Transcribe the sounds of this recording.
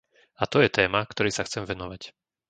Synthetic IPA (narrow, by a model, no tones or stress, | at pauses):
at̪ɔjɛt̪ɛːmakt̪ɔɾɛjsaxt͡sɛmʋɛnɔʋac